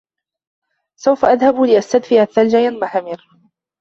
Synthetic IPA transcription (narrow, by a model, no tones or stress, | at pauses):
sawfaʔaðhablɪʔast̪ad̪fɪaθːald͡ʒajanmaħamɪɾ